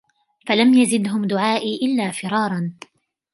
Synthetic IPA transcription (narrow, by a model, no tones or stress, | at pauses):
falamjazɪd̪ɦʊmd̪ʊʕaːʔiʔɪlːaːfɪɾˤɑːɾˤɑn